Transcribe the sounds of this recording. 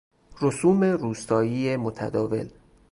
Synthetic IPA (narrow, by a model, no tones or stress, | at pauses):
rosuːme̞ruːst̪ɒːjiːemot̪ʰæ̰d̪ɒːve̞̰l